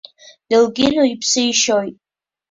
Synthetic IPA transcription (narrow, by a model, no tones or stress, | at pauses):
d̥ɨlɡʲɪnoipʰsɨjʃojtʼ